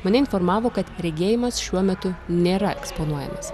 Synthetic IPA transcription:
mɐnʲɛɪnfoɾmɑːʋoːkɐt̪ɾʲɛɡʲeːjɪmɐsʃʲuɔmʲɛt̪ʊnʲeːɾɐɛkspoːnuɔjɛ̰mɐs

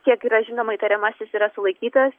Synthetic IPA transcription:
kʲiɛkiːɾɐʒʲɪnoːmɐit̪ɐɾʲɛmɐsʲɪsiːɾɐsʊlˠɐɪkʲiːt̪ɐs

